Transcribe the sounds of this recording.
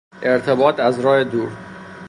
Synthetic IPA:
ʔe̞ɾt̪ʰe̞bɒːt̪ʰæzɾɒːhed̪uːɾ

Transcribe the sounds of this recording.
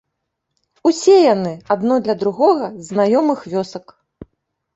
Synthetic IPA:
usʲɛjanɨad̪nɔd̪lʲɐd̪ɾuɣɔɣɐznajɔmɨxvʲɔsɐk

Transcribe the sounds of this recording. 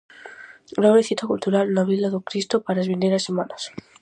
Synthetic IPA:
ɡɾaβleθit̪akult̪uɾalnaβilaðokɾist̪opaɾezβend̪eɾasemanas

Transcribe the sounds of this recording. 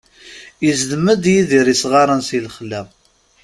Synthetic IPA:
jəzd̪əmːəd̪jiðiɾisʁɑɾˤənsilχlːæ

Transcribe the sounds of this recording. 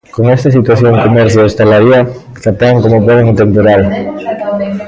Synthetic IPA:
koŋest̪asit̪waθjoŋkomeɾθjoest̪alaɾia | t̪ap̪eaŋkomopoðeŋunt̪empoɾal

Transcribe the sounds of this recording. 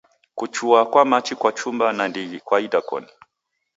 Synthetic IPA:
kut͡ʃuakwamat͡ʃikwat͡ʃumbanandiɡikwaidakɔ̰ni

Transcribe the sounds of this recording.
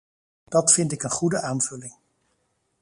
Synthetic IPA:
d̥ɑtfɪntɪkənχudəʔaːnv̥ɵlɪŋ

